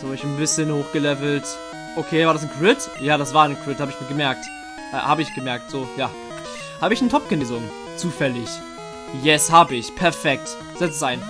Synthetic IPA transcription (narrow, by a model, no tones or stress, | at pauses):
z̥aɪçn̩bɪsçənhoːxɡ̥əlɛvl̩t | ʔokʰeːvaːɐɾas̬n̩kʰʁ̥ɪtjaːɾasv̥aːɐnkʰʁ̥ɪthaːbəɪçmoːlɡəmɛɐk̚t | ʔha̰ːbəɪçɡ̥əmɛɐk̚tz̥oːjaː | haːbəɪçnətʰɔp̚ɡ̥əneːzʊŋ | t͡suːfɛlɪç | jɛshaːbəɪçpʰɛɐfɛk̚t | z̥ɛt͡səsʔaɪn